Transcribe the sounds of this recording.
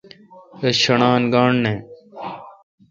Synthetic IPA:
ɐɕɐɳaːnɡaːɳnẽː

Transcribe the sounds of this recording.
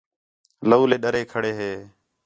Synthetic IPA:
ləuːleːɗəɾeːkʰəɽeːɦeː

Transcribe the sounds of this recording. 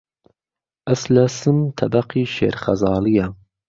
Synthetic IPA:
ʔɐslɐsɨmt̪ʰɐbɐqiːʃḛːɾχɐzɑːlijɐ

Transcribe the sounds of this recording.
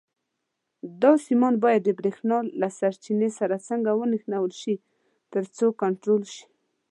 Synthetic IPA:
d̪ɑsimɑnbɑjad̪ːəbɾexnɑlasaɾt͡ʃinesaɾat͡səŋɡawənixnawəlʃi | t̪əɾt͡sokaɳʈɾolʃi̥

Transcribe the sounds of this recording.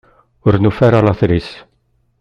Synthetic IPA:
ʊɾnufɛɾalaθɾis

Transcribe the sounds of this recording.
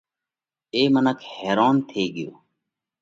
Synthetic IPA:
eːmənəkʰheːɾaːnt̪ʰeːɡɪjoː

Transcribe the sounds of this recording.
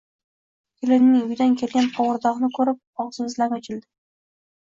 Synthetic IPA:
kʲʰelɪnːɪŋʊjd̪ankʲʰe̞lɡʲanqʰɒwɾd̪ɒʁnɪkʰɵɾɪp̚ɒʁsɨzlanɒt͡ʃʰɪld̪ɪ

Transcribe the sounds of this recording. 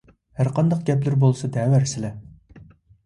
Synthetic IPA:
hæɾqʰɑnd̪ɑqɡʲɛplɪɾbolˠɨsɑd̪ɛwæɾsɪlɛ

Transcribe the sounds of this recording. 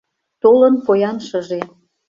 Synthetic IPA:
t̪olə̆npojɑnʃəʒe

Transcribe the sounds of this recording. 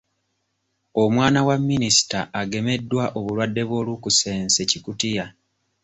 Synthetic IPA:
o̞mwaːnawamːinisi̥taʔːɡe̞me̞dːwaʔoβulwadːe̞βwo̞ːlukuse̞ːnse̞cikutija

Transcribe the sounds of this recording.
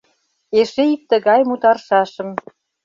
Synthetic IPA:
eʃeik̚t̪ə̆ɣɑjmut̪ɑrʃɑʃə̆m

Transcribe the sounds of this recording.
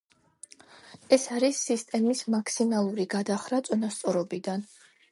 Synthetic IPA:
ɛsaɾisːist̪ʼɛmismakʰsimalˠuɾiɡad̪aχɾat̪sʼɔnast̪sʼɔɾɔbid̪an

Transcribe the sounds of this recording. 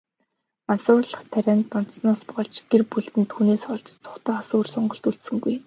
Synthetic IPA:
mansʊːrɮə̆χt̪ʰæɾʲæːnt̪ːɔn̥snɔːspɔɮt͡ɕɡerpuɮt̪ɘ̆nt̪ʰuːneːsχɔɮt͡ɕɪ̥̆t͡sʰʊ̥χt̪ɔːasʊːrsɔɴɢɞ̆ɬt̪uɬt̪sɘ̆ŋɡuj

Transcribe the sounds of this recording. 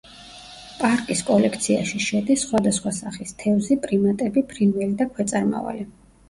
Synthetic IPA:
pʼaɾkʼiskʼɔlɛkʰt̪sʰiaʃiʃɛd̪isːχwad̪asχwasaχist̪ʰɛvzipʼɾimat̪ʼɛbipʰɾinvɛlid̪akʰwɛt̪sʼaɾma̰va̰li

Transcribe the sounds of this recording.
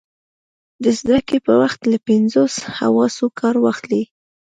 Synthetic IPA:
d̪əzd̪akepəwaxt̪lapɪnzosha̰wɑsokʰɑɾwɑxli

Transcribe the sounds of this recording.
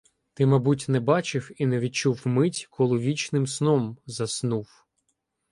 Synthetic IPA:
t̪ɪmɐbutʲnɛbɑt͡ʃɪwinɛʋʲid̪̚t͡ʃuwmɪtʲkʰɔlˠɪʋʲit͡ʃnɪmsnɔmzɐsnuw

